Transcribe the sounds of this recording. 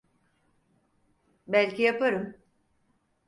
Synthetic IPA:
bælʲcijapaɾɯm

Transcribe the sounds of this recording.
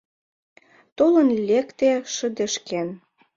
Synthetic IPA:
t̪olənlʲekt̪eʃə̆d̪ə̆ʃken

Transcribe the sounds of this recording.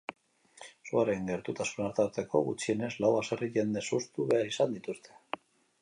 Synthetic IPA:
suaɾeŋɡe̞ɾt̪ut̪asunaɾt̪aɾt̪eko̞̰ɣṵt͡ʃie̞ne̞zlawaseriʝe̞nd̪e̞sust̪uβe̞aɾisand̪it̪ust̪e̞̥

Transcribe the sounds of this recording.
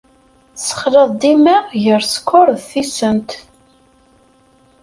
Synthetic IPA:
sə̥χlɑðˤd̪imæʝəɾskʰːʊɾˤðθisənt̪

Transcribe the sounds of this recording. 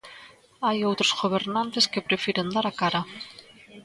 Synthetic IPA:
ajowt̪ɾozɣoβ̞eɾnant̪eskepɾefiɾend̪aɾakaɾa

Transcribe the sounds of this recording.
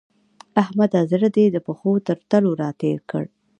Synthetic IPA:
ahmad̪ɑzɪɾad̪ed̪əpəxot̪əɾt̪əloɾɑt̪eɾkə̰ɽ

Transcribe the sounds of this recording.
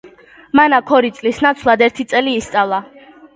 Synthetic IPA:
manakʰɔɾit̪sʼlisnat̪sʰlˠad̪ɛɾt̪ʰit̪sʼɛliːst̪sʼavlˠa

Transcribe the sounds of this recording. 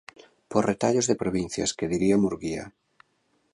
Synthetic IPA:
poret̪aʎozðepɾoβ̞ĩn̟θja̰skeðiɾiamuɾɣia̰

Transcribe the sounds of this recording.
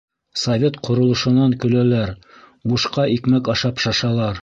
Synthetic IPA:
sɐvʲet̪qʰŏɾŏlˠɤ̆ʃɤ̆nɑŋkɵ̆lælæɾ | buʃqɑʔikmækɑʃɑpʃɑʃɑlˠɑɾ

